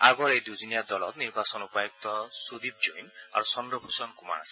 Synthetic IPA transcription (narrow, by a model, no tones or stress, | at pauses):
a̰ɡɔɾejd̪ud͡ʒinijad̪ɔlɔt̪niɾbasɔnupɔjɔk̚t̪ɔsud̪ib̚d͡ʒojna̰ɾusɔnd̪ɾɔbʱusɔnkuma̰ɽa̰si̥